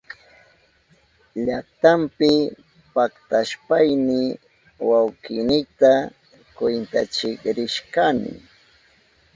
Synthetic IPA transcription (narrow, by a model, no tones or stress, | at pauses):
ʎakt̪ampɪ | pakt̪aʃpajnɪ | wawkɪnɪt̪a | kwɪnt̪a̰t͡ʃɪkɾɪʃkanɪ̰